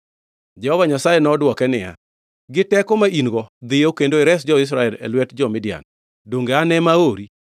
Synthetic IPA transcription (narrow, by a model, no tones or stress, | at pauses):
d͡ʒɛhɔvaɲasajɛnɔdwɔkɛnɪja̰ | ɡɪtɛkɔmaʔinɡɔd̪ɪjokendoɪɾɛs̬d͡ʒɔɪs̬ɾaɛlɛ̰lwɛtd͡ʒɔmɪdɪa̰n | doŋɡeanɛmaoɾi